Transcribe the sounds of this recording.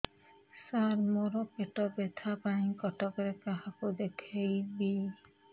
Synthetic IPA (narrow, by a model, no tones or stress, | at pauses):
saɾmoɾɔpeʈɔbet̪ʰapãĩkɔʈɔkɔɾekaɦakud̪ekʰejbi